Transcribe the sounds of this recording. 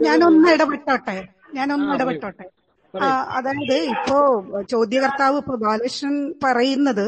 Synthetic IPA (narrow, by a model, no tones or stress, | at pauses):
ɲaːno̞nːɨiɽɐpɐʈːoːʈːe | ɲaːno̞nːɨiɽɐpɐʈːoːʈːeː | aɐ̰ðaːjɐðɨipːo̞ːt͡ɕo̞ːd̪jɐɣɐrt̪aːʋɨipːoːbaːleːʂɐnpɐrɐjunːɐðɨ